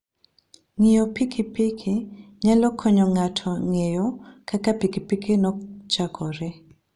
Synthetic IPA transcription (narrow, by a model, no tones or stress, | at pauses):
ŋijopikʰipikʰiɲalɔkʰɔɲɔŋatʰɔŋejɔkakapikipikinɔt͡ʃakʰɔɾɛ